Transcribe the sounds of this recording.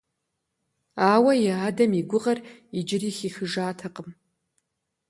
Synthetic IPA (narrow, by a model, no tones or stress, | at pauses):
aːwɐjɛaːdɐmiɡʷʊʁɐrid͡ʒɪriːxixɨʒaːtʰɐqʼəm